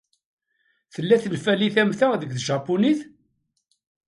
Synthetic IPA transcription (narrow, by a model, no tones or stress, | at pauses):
θəlːæθənfæliθæmθæðəɡθʒɑpːuniθ